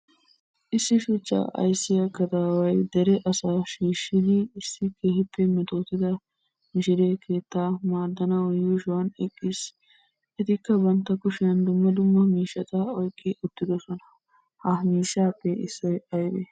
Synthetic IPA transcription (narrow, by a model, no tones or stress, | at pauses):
ʔɪsːɪʃʊt͡ʃːa̰ːʔɐ̰jsːɪjɐkɐt̪aːwɐjd̪ɛɾɛʔɐsaːʃiːʃːɪd̪ɪːsːɪkʰeːhɪpːɛmɪt̪oːt̪ɪd̪ɐ | mɪʃɪd̪ekʰe̞ːt̪ːaːmaːd̪ːɐnɐwɔjuːʃʊwɐnɛkʼːis | ʔɛt̪ɪkːɐbɐnt̪ːɐkʊʃɪjɐnd̪ʊmːɐd̪ʊmːɐmiːʃːɐt̪ɐɔjkʼːɪʊt̪ːɪd̪ɔsɔnɐ | hɐmiːʃːaːpːɛɪsːɔjɐjb̪ḛ